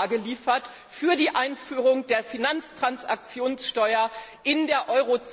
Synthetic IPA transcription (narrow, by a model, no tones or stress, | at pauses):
ɡəliːfɐt | fyːɐdiːʔaɪnfyːʁʊŋdeːɐfinant͡stʁ̥ansa̰k̚t͡sjoːnsʃtɔʏɐ | ʔɪndeːɐʔɔʏʁot͡s